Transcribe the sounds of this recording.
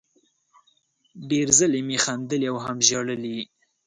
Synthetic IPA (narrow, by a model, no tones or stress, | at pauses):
ɖeɾzəlemixand̪əliawɦamʒɑɽəli